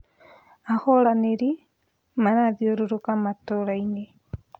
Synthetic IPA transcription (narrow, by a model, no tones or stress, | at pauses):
ahɔɾaneɾi | manaðioɾoɾokamatoɾaine